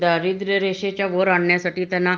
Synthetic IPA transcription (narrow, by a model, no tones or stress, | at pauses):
d̪aɾid̪ɾeɾeʃet͡ʃaʋoɾaɳːesɐʈit̪enã